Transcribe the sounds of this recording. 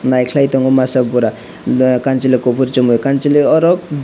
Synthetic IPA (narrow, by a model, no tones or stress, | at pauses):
najkʰlajt̪ɔŋɡumasabuɾa | kant͡ʃilekopʰuɾt͡ʃɔmukant͡ʃileɔɾɔk̚